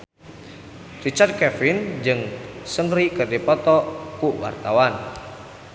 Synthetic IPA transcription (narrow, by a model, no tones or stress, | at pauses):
rit͡ʃard̪̚kɛfɪnd͡ʒɨŋsəŋɾikərdipɔt̪ɔkuwa̰rt̪awan